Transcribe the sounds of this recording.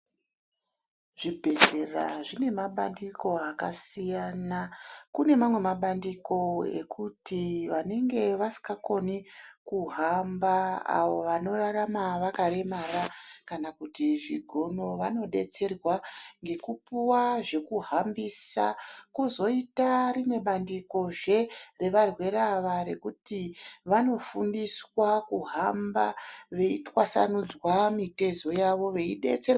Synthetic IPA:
ʐ̥ibʱe̞ɮe̞ra̰ʐine̞maɓa̰ndiko̞akasijanakune̞mamwe̞maɓandiko̞ḛkutʰiʋane̞ŋɡe̞ʋasi̥kako̞nikuɦambaa̰ʋoʋano̞raramaʋakaɾe̞marakanakutiʐiɡʱo̞no̞ʋano̞ɗe̞t͡se̞rwaŋɡe̞kupuwaʐe̞kuɦambisa̰kuzo̞itarimwe̞ɓandiko̞ʐe̞re̞ʋarwe̞ɾaʋare̞̰kutiʋano̞fundiswakuɦambaʋe̞itwasa̰nud͡zwamite̞zo̞jaʋo̞ʋe̞iɗe̞̰t͡ser

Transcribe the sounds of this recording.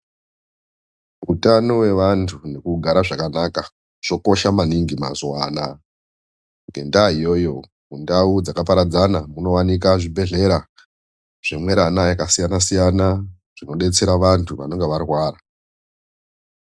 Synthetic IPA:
utanowe̞ʋantʰune̞kuɡʱaɾaʐakanaka | ʐ̥o̞koʃamaniŋɡima̰zwa̰na | ŋɡe̞̰ndaɦijo̞jo̞ | mundaud͡zakapaɾad͡zanamuno̞wanik̬aʐibʱe̞ɮe̞ɾa | ʐ̥e̞mwe̞ɾanajakasijanasijana | ʐ̥ino̞ɗe̞t͡se̞ɾaʋantʰuʋa̰no̞ŋɡe̞ʋarwaːra

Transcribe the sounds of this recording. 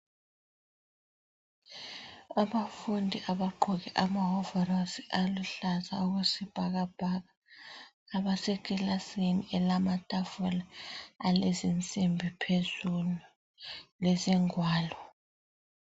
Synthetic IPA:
aβafundʱiʔaβaɡ͡ǃʱɔɣɛʔamaɦɔvɛrasiʔaluɬazauɣusib̥ʱaɣab̥ʱaɣaː | βasekʼilasiniɛlamatʼafɔlaalezint͡sʼimbʱipʰezulu | leziŋwaːlɔ

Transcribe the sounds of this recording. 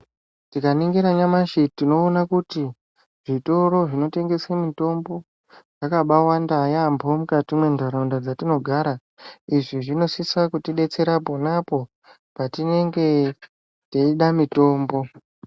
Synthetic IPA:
tikaniŋɡeɾaɲamaʃitino̞ːnakuti | ʐ̥ito̞ɾo̞ʐino̞te̞ŋɡe̞semito̞mbo̞ | ʐakaɓawandajambʱo̞mukatimwe̞ndʱaɾaundad͡zatino̞ɡʱaɾa | iʐiʐino̞sisakutiɗe̞t͡se̞ɾaponapo̞ | patine̞ŋɡe̞ | teiɗamito̞ːmbo̞

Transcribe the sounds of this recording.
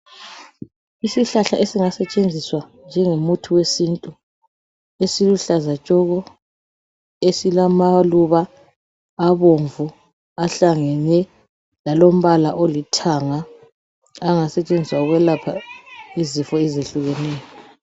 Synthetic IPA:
isiɬaɬaʔesiŋasɛt͡ʃʼend͡zʱiswa | nd͡ʒʱɛŋomutʰuwesintʼu | esiluɬazat͡ʃʼɔɣɔ | esilamaluβaː | βoɱvu | aɬaŋɛnɛ | lalom̩βalaʔolitʰaŋaː | ŋasɛt͡ʃʼend͡zʱiswauɣwɛlapʰaizifɔɛzeɬuɣɛnɛːjɔ

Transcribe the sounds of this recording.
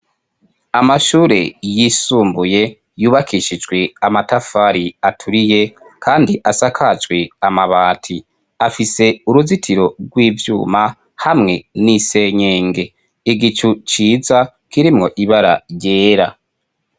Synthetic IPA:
amaʃuːɾe̞̰jisuːmbuje̞ | juːβakʰiʃid͡ʒɡwe̞amatafaɾiatʰuɾije̞kʰaːndiʔasakʰad͡ʒɡwe̞amaβaːtʰi | afise̞uɾuzitʰiɾo̞ɡwiːvjuːma | hamŋe̞nise̞ɲeːŋɡe̞ | iɡit͡ʃut͡ʃiːza | kiɾimŋo̞ʔiβaɾa̰jeːɾa̰

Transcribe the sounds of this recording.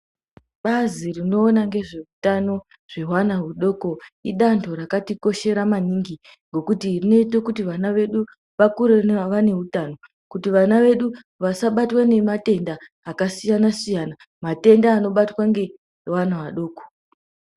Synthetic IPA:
ɓazirino̞ːnaŋɡe̞ʐe̞utano̞ | ʐ̥e̞ɦwanaɦuɗo̞ko̞iɗantʰoɾakatiko̞ʃe̞ɾamaniŋɡi | ŋɡo̞kutirine̞itokutiʋanaʋe̞ɗu | ʋakuɾenaʋane̞utano̞ | kutiʋanaʋe̞ɗu | ʋasaɓatwane̞mate̞ndaː | kasijanasijana | mate̞ndaːno̞ɓatwaŋɡe̞ | wanaʋaɗo̞ːko̥

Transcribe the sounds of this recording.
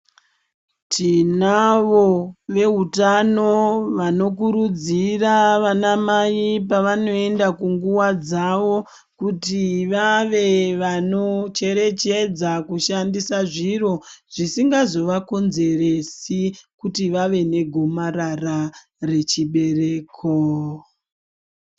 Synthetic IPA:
tinaʋoʋe̞ɦutanoʋano̞k̬uɾud͡ziraʋanamajipaʋano̞e̞ndakuŋɡuwad͡zaʋo̞ | kutiʋaʋe̞ʋano̞t͡ʃe̞ɾe̞t͡ʃe̞d͡zakuʃandisaʐiro̞ʐ̥isiŋɡazo̞ʋako̞nze̞resikutiʋaʋe̞ne̞ɡʱomarara | re̞t͡ʃiɓe̞reːkʰo

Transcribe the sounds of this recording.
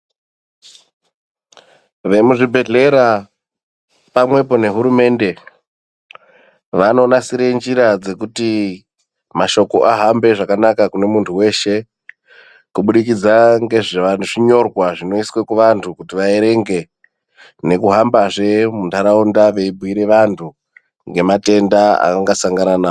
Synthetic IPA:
ʋe̞muʐibʱe̞ɮe̞ɾa | pamwe̞po̞ne̞ɦuɾume̞nde̞ | ʋano̞ːnasiɾe̞nd͡ʒiɾad͡ze̞kuti | maʃo̞ko̞ʔaɦambe̞ʐakanakakune̞muntʰuwe̞ːʃe̞ | kuɓuɗikid͡zaŋɡe̞ʐeʋantʰuʐiɲo̞rwaʐino̞iswe̞kuʋantʰukutiʋae̞ɾe̞ŋɡe̞ | ne̞kuɦambaʐe̞mundaɾaundaʋe̞ibʱwiɾe̞ʋantʰu | ŋɡe̞mate̞ndaa̰kaŋɡasaŋɡananaːo

